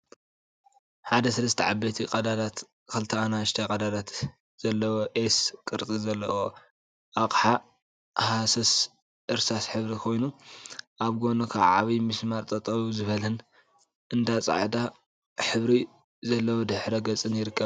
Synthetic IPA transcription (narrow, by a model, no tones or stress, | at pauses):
ħad̪ɐsɐlɐst̪ʰɐʕabɐt̪ʰikʼɐd̪ad̪at̪ | kʰɐlt̪ʰɐanaʃt̪ʰakʼɐd̪ad̪at̪ | z̥ɐlːɐwoʔeskʼɨɾt͡s̪ʼizɐlːɐ̰wo | ʔakʼħa | hasɐs | ʔɨɾsasħɨβɾikʰo̞jnuʔaβɡo̞nɐkʰa̰βʕa̰βimɨsmaɾt̪ʼɐt̪ʼɐβuzɨβɐlhɨn | ʔɨnd̪at͡sʼa̰ʕd̪a | ħɨβɾi | zɐlːɐwod̪ɨħɾɐɡɐt͡sʼɨnjɪɾɨkːɐβ